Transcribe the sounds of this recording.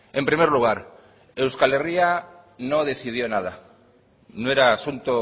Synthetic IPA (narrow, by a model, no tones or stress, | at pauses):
ẽmpɾimejɾluɣ̞aɾ | ewskaleria | nõðeθið̞jonað̞a | nõeɾaːsunt̪o